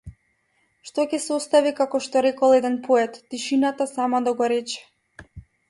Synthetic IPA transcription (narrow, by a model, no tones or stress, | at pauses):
ʃt̪ɔcɛsɔst̪avikakɔʃt̪ɔɾɛkɔlˠɛd̪ɛnpʰoɛt̪ːiʃinat̪asamad̪aɡɔɾɛt͡ʃɛ̥